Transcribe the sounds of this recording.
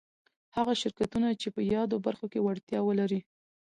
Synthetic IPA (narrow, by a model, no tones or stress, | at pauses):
haɣaʃɪɾkat̪unat͡ʃepəjɑd̪obaɾxokewaɽt̪jɑwəlaɾi